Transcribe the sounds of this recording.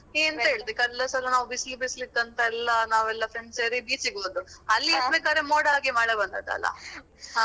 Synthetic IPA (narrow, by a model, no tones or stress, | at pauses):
eːnt̪ɐɦeːɭd̪eːkɐlːɐsɐlɐnaːʋubislibislikːɐnt̪ɐɛlːɐnaːʋɛlːɐfɾeɳɖseːɾibiːt͡ʃiɡoːd̪uɐlːiisbeːkaːd̪ɾemoːɽaːɡemaːɽɐbɐnd̪a̰dt̪ɐ̰lːɐ̰